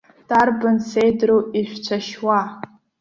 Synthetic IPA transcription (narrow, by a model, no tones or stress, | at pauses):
d̥arbansejdruiʃᶣʷt͡ʃʷʰaʃwa